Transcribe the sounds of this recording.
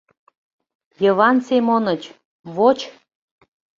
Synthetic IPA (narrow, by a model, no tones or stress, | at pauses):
jəβɑnsemonət͡ɕ | βot͡ɕ